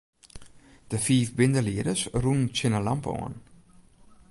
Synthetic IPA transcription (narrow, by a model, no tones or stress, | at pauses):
d̥əfiːfbɪndəliədəsrunn̩t͡sɪnəlampəɔ̰ːn